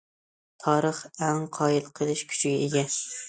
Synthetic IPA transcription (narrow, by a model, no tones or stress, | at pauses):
t̪ʰɒɾɨχaŋqʰɒɪlˠqʰɨlˠɪʃkʲʰʊ̥t͡ʃʰɡʲaeɡʲa